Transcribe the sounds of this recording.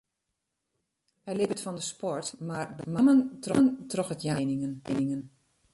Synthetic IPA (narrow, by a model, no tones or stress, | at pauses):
ɛɹlɪpətfɔndəspɔɹtmaɹdəmaməntrɔntrɔxətjannɪŋən